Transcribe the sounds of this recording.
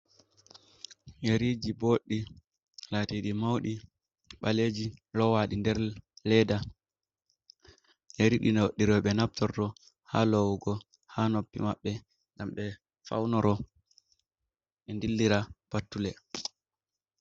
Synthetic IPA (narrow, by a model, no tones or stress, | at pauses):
jeɾid͡ʒiboɗːi | laːtiɗimawɗi | ɓaled͡ʒilɔwaɗindɛɾlɛda | jeɾiɗinɗːiɾɔɓɛnaptɔɾtɔ | halɔwɡɔ | hanopːimaɓːɛ | ŋɡamɓɛ | fa̰wnɔɾɔ | ʔɛndilːiɾab̥atːulɛ